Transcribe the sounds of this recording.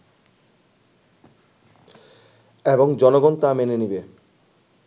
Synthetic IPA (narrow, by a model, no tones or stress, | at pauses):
eboŋd͡ʑɔnoɡɔnt̪amenenibe